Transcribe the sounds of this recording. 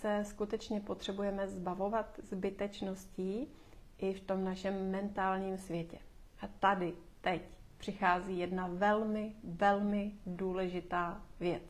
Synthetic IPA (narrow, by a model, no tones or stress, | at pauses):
sɛskut̪ɛt͡ʃɲɛpo̞t̪r̝̥ɛbujɛmɛzbavo̞vat̪zbɪt̪ɛt͡ʃno̞sciː | ʔɪft̪o̞mnaʃɛmːɛnt̪aːlɲiːmsvjɛcɛ | ʔat̪adɪ | t̪ɛcpr̥ɪxaːziːjɛdnavɛlmɪvɛlmɪduːlɛʒɪt̪aːvjɛt͡s